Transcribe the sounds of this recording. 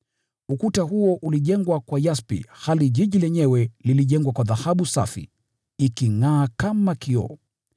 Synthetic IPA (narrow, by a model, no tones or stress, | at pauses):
ukutaɦuɔʔuliʄɛŋɡwakwajaspḭhaliʄiʄilɛɲɛwɛliliʄɛŋɡwakwaðahaɓusa̰fḭ | ikiŋaːkamakiɔ̰